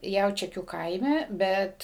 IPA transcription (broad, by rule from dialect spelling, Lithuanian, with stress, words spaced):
ˈjɛʊt͡ʃʲɛkʲuː ˈkɐɪmʲɛ ˈbʲɛt